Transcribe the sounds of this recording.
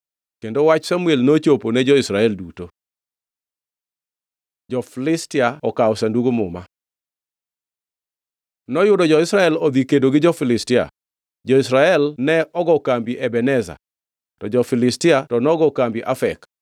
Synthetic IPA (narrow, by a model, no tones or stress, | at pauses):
kendowat͡ʃsamuelnot͡ʃoponɛd͡ʒɔɪsɾaɛlduto | d͡ʒɔflɪstɪaɔkaɔsanduɡomʊ̰ma̰ | nɔjʊdɔd͡ʒɔɪsɾaɛlɔd̪ikedoɡɪd͡ʒɔfɪlɪstɪa̰ | d͡ʒɔisɾaɛlnɛɔɡɔkambiʔɛbɛnɛza̰ | tɔd͡ʒɔfɪlɪstɪatɔnɔɡɔkambiʔafɛk